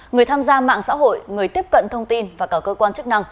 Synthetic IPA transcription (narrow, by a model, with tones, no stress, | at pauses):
ŋɨ˨˩əjt̪ʰaː˧mzaː˧ma̰ː˧˨ŋsa̰ː˧˥ɦo̰˧˨jŋɨ˨˩əjt̪i˦˥əp̚kə̰˧˨nt̪ʰə˧wŋ͡mt̪i˧nvaː˨˩kaː˧˩kəː˧kwaː˧nt͡ɕɨ˦˥k̚na˧ŋ